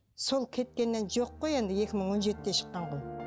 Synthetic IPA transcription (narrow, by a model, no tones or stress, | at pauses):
so̞lˠkʲʰe̞t̪̚kʲe̞nːe̞nʒo̞qːoje̞nd̪ɪje̞kʲɪməɴwo̞nʒe̞t̪ɪd̪e̞ʃə̥qːɑɴʁoj